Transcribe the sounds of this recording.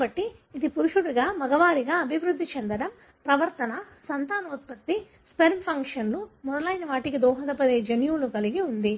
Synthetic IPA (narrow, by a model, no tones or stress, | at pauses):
bɐʈːiːd̪ipuɾuʂuɽuɡaːmɐɡɐʋaːɾiɡaːɐbʱiʋɾud̪ʱːit͡ʃend̪ɐɽɐm | pɾɐʋɐɾt̪ɐnɐ | sɐnt̪aːnɐut̪̚pɐt̪ːi | speɾmpʰɐŋkʂɐnlumɔd̪ɐlɐːjnɐʋaːʈikid̪ɔːɦɐd̪ɐpɐd̪eːd͡ʒɐnjuːlukɐliɡiund̪i